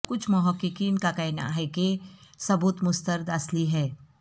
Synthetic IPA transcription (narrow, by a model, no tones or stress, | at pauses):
kʊt͡ʃʰmʊɦəkːɪkiːnkakɛːna̰ɦɛkesɐbuːt̪mʊst̪əɾd̪ɐsliɦɛː